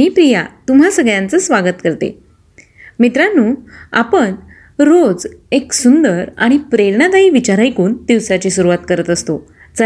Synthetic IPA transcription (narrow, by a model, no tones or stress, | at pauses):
miːpɾijat̪um̤asəɡɭjãnt͡səsʋaɡət̪kəɾt̪ḛ | mit̪ɾanuːa̰pəɳ | ɾod͡zeksund̪əɾaɽ̃ipɾeɾɳad̪aiʋit͡ɕaɾajkuːnd̪iʋsat͡ɕiːsuɾuʋat̪kəɾət̪əst̪o | d͡za